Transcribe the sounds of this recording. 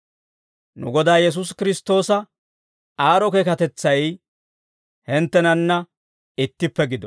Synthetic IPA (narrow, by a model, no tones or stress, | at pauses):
nʊ̰ɡɔd̪aːjɛs̬ʊs̬kɪɾɪst̪ːo̞ːsɐ | aːɾɔkeːkɐt̪ɛt͡sːɐj | hɛnt̪ːɛnɐnːɐ | ɪt̪ːɪpːɛɡɪd̪ɔ